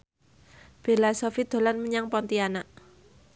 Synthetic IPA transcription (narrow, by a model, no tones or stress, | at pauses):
b̥e̤lasɔfid̪̥o̤lanməɲaŋpɔnt̪ianaʔ